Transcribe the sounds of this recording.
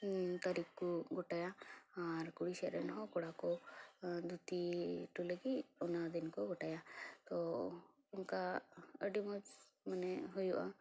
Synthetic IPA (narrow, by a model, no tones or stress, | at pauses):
t̪aɾikkuɡɔʈajaː | ɾkuɽiʃɛɾɛnɦɔ̃kɔɽakɔ | d̪ʱut̪iʈuləɡiɔnad̪inkɔɡɔʈajat̪ɔ | ɔnkaəɖimɔd͡ʒ | manɛɦujuʔa̰